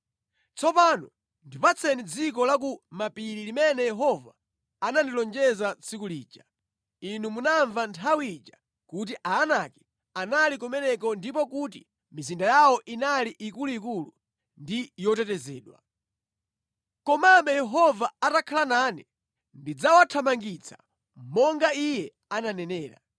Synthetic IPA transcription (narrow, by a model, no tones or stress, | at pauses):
t͡sʰɔpanɔ | ndipat͡sʰɛnid͡zik̬ɔlak̬umapiɾilimɛnɛjɛɦɔva̰ | anandilɔnd͡ʒɛzat͡sʰikuliːt͡ʃḁ | inumunaɱvantʰawiit͡ʃḁ | kut̬iʔaːnakɛ̥ | analikɔmɛnɛkɔndipɔkut̬i | mizindajawɔʔinaliʔikuluikulu | ndijɔtɛtɛzɛːɗwa̰ | kɔmambɛjɛɦɔvaatakʰalananɛ | ndid͡zawatʰamaŋɡit͡sʰḁ̰ | mɔŋɡaijɛ | ananɛnɛːɾa̰